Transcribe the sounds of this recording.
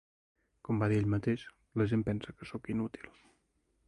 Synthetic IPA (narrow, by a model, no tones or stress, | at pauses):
kɔmbaðieʎmət̪eʃ | ləʒempɛnsəkəsokinut̪i̥lˠ